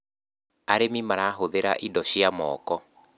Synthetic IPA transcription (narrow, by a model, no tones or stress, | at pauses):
aɾemimaɾaːɦoðeɾa̰ʔidɔʃiamɔ̰ːkɔ